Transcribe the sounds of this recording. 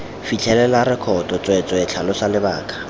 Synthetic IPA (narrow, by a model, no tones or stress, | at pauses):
fit͡ɬʰɛlɛlaɾɪkʰɔtʼɔt͡sʼwet͡sʼɔɪt͡ɬʰalɔsalɪbaːkʼḁ